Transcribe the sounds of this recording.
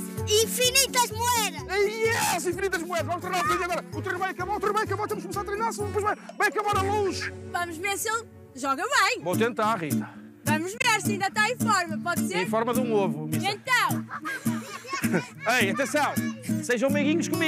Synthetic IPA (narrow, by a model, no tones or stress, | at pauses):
ĩfinit̪ɐʒmuɛðɐʃɐiɛɐzĩfinit̪ɐʒmuɛðɐʃvɐmʃt̪ɾejnaɾfiðɐɣɔɾɐut̪ɾejnβɐ̃j̃ɐkɐβaɾut̪ɾenβɐ̃j̃ɐkɐβoɾt̪emʃkumsaɾɐt̪ɾejnaɾɐsũpojʒvɐ̃j̃vãj̃ɐkɐβaɾɐlˠõʒvɐmʊʒveɾselˠ | ʒɔɣɐβɐ̃j̃vot̪ẽnt̪aɾʁit̪ɐ | vɐmuʒveɾsĩnd̪ɐt̪aẽfɔɾmɐpɔðseẽfɔɾmɐðũnovuiẽnt̪ɐ̃w̃ | ɐjɐt̪ẽsɐ̃w̃seʒɐ̃w̃meɣiɲuʃkumi